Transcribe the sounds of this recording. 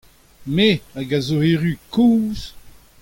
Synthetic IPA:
meaɡazoeʁykʰuːz

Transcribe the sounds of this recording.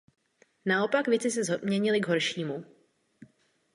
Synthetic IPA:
nao̞pakvjɛt͡sɪs̬ɛzomɲɛɲɪlɪɡɦo̞ɾʃiːmu

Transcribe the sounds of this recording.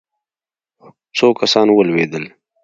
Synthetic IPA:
soːkɐsaːnwəlweːd̪əl

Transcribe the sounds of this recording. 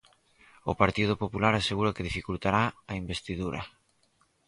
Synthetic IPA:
ʊpaɾt̪ið̞ʊpopulaɾaseɣuɾakɪðifikult̪aɾaaimbest̪iðuɾʔɐ̰

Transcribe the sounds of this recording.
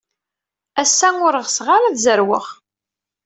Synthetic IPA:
æsːæŋʊɾəʁsʁaɾæðzəɾwə̰χ

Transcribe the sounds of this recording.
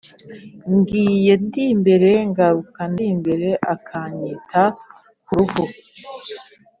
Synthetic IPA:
ŋɡiːje̞ndimbe̞ɾe̞ŋɡaɾukandiːmbe̞ɾe̞ʔakʰaɲitʰa | kuɾuhu

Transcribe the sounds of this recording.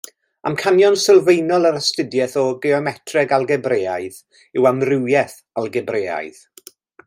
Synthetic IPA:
amkʰanjɔnsɪlˠvejnɔlˠəɾəstɪdjɛθɔɡeɔmɛtʰrɛɡalˠɡɛbreːaɨð | ɪwamrɪwjɛθ | alˠɡɛbreːa̰jð

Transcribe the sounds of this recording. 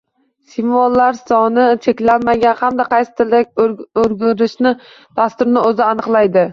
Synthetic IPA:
simvɒlˠːaɾsɒnɪt͡ʃʰekʲlanmaɡʲanhamd̪aqʰɑjsɪ̥t̪ʰɪlak̚ʲoɾɡʲʊɾɪʃnɪ | d̪̥ast̪ʊɾnɪɵzɪanɨqlˠajd̪ɪ

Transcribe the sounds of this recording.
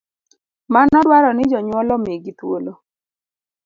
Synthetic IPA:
manɔdwaɾɔnɪd͡ʒɔɲwɔlɔmeɡit̪wolo

